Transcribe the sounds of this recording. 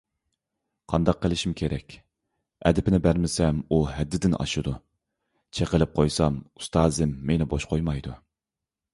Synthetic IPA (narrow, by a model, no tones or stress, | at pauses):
qʰɑnd̪ɑqʰːəlˠɪʃimkʲʰeɾʔɛkʲ | ɛ̰d̪ɪpʰɪnɪbæɾmɪsɛmuhɛd̪ːɪd̪ɪnʔɑ̰ʃɨd̪u | t͡ʃʰeqəlɪp̚qʰojsɑmu̥st̪ʰɑːzɪmːenɪboʃqʰojmɑjd̪u